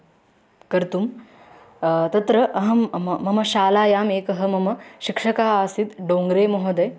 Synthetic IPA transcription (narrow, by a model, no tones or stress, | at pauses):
kɐɾt̪um | t̪ɐt̪ɾɐʔɐɦɐmmːɐmɐʃaːlaːjaːmeːkɐɦɐ̆mɐmɐʃikʂɐkaːaːsit̪ɖoːŋɡɾeːmoɦɐd̪ɐj